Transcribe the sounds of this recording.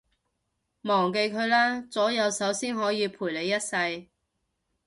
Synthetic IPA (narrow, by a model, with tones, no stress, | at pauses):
mɔː˨˩ŋke˧jkʰɵ˨˧ɥlaː˥t͡sɔː˨˥jɐ˨˧wsɐ˨˥wsiː˥nhɔː˨˥jiː˨˧pʰuː˨˩jle˨˧jːɐ˥t̚sɐ˧j